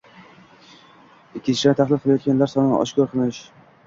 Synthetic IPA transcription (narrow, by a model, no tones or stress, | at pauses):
ɪkʲʰːɪnt͡ʃʰɪʃaɾt̪ʰaχlˠɪlqʰɨlˠajɒt̪̚ɡʲanlaɾsɒnʔɒ̰ʃkʰʲɒɾqʰɨlˠɪʃ